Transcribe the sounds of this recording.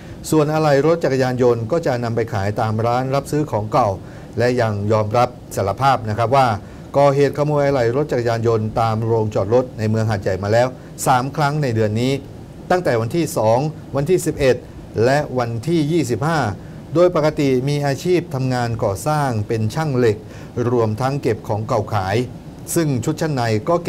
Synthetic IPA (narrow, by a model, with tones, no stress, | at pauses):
su˨˩ənʔa˧ɾa˨˩jɾo˦˥t̪̚t͡ɕa˨˩k̚ːa˧jaː˧njo˧nkɔː˥˩t͡ɕa˨˩ʔna˧mpa˧jkʰaː˩˦jt̪aː˧mɾaː˦˥nɾa˦˥p̚sɯː˦˥kʰɔː˩˦ŋka˨˩w | lɛ˦˥ja˧ŋjɔː˧mɾa˦˥p̚sa˩˦la˧pʰaː˥˩p̚na˦˥kʰɾa˦˥p̚waː˥˩ | kɔː˨˩ɦeː˨˩t̪̚kʰa˧moː˧jʔa˧ɾa˨˩jɾo˦˥t̪̚t͡ɕa˨˩k̚a˧jaː˧njo˧nt̪aː˧mɾoː˧ŋt͡ɕɔː˨˩t̪̚ɾo˦˥t̪̚na˧jmɯ˧əŋɦa˨˩t̪̚ja˨˩jmaː˧lɛː˦˥w | saː˩˦mkʰɾa˦˥ŋna˧jdɯ˧ənːiː˦˥ | t̪a˥˩ŋt̪ɛː˨˩wa˧nt̪ʰiː˥˩sɔː˩˦ŋ | wa˧nt̪ʰiː˥˩si˨˩p̚ʔe˨˩t̪̚ | lɛ˦˥ʔwa˧nt̪ʰiː˥˩jiː˥˩s̬i˨˩p̚haː˥˩ | doː˧jpa˨˩ka˧t̪i˨˩miː˧ʔaː˧t͡ɕʰiː˥˩p̚t̪ʰa˧mŋaː˧nkɔː˨˩saː˥˩ŋpe˧nt͡ɕʰa˥˩ŋle˨˩k̚ | ɾu˧əmt̪ʰa˦˥ŋke˨˩p̚kʰɔː˩˦ŋka˨˩wkʰaː˩˦j | sɯ˥˩ŋt͡ɕʰu˦˥t̪̚t͡ɕʰa˥˩nːa˧jkɔː˥˩k